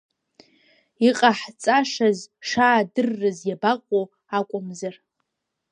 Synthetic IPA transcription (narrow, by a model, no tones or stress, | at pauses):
iqʼaħt͡sʼaʂazʂaːdɨrːɨzjabaqʼo | akʷʼʊmzar